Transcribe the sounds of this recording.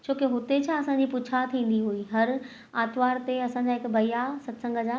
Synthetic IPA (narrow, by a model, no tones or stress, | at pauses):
t͡ɕʰoːkeɦʊt̪et͡ɕʰãɐsãɲd͡ʑipʊt͡ɕʰat̪ʰĩːn̆d̪iɦuiɦɐɾ | aːt̪ʋaːɾt̪eɐsãːɲ̆d͡ʑaːɦɪkbɐijasɐt̪sə̃ŋɡʱəd͡ʑaː